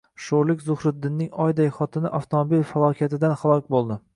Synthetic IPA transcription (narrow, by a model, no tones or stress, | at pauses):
ʃoɾlɪkʲzʊhɾɪt̪d̪ːɪnːɪŋɒjd̪ajχɒt̪ʰɪnɪʔaft̪ʰomobilfalˠɒkʲʰat̪ɪd̪anχalˠɒkʲbolˠd̪ɪ